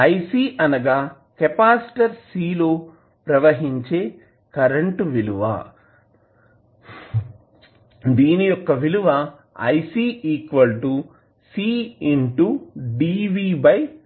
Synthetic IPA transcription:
ɐjsiːʔɐnɐɡaː | kepaːsʈɐɾsiːloː | pɾɐʋɐɦiɲt͡ʃeː | kɐɾɐɳʈʋiluʋɐ̰ | d̪iːnijɔkːɐʋiluʋɐ | ɐjsiːiːkʋɐlʈu | siːiɳʈuɖiːʋiːbɐj

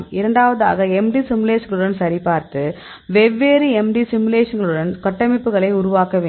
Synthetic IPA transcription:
mɪɾɐɳɖaːʋɐða̰ːɣɐɛmɖisɪmleːʂɐnɡɐɭɯɽɐnsɐɾɪpaːɾt̪ɯ | ʋɛʋːeːɾɯɛmɖisɪmɯleːʂɐnɡɐɭɯɽɐnkɐʈːɐmɪpːɯɣɐɭɐɪʊɾʊʋaːkɐʋeː

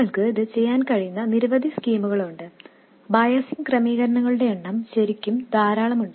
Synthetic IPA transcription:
ɐɭkɨiðɨt͡ɕe̞jːaːnkɐɻijunːɐniɾuʋɐd̪ʱiskiːmuɣɐɭuɳɖɨ | bɐːjɐsimkrɐmiːɣɐɾɐɳɐŋːɐɭuɽe̞eɳːɐmɕɐɾikʲːumd̪aːɾaːɭɐmuɳɖɨ

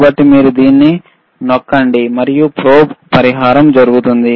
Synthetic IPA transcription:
bɐʈːimiːɾud̪iːnːi | nɔkːɐɳɖimɐɾijupɾoːbpɐɾiɦaːɾɐmd͡ʒɐɾuɡut̪und̪i

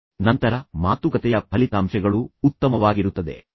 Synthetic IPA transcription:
nɐnt̪ɐɾɐmaːt̪ukɐt̪ɛjɐpʰɐlit̪aːmʃɛɡɐɭuːt̪ːɐmɐʋaːɡiɾut̪ːɐd̪e̞̰

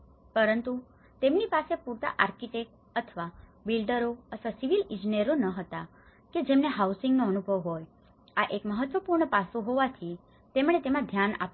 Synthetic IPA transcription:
pəɾənt̪u | t̪emnipasepuɾt̪a̰ʔaɾkiʈek̚ | ət̪ʰəʋabilɖəɾoət̪ʰʋasiʋilɪ̃d͡ʒiniəɾonəɦət̪a | ked͡ʒemneɦausɪ̃ŋɡnoənubʱəʋɦoj | aʔekməɦət̪ʋəpuɾɳəpasõɦoʋat̪ʰi | t̪emɳ̃et̪emãd̪ʱjana̰p

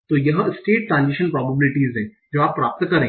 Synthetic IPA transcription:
t̪oːjɐɦãɪsʈeːʈʈɾãːnzɪʃənpɾɔːbəbɪlɪʈiːzɦɛ̃ː | d͡ʒoːaːpːɾaːp̚t̪kɐɾẽː

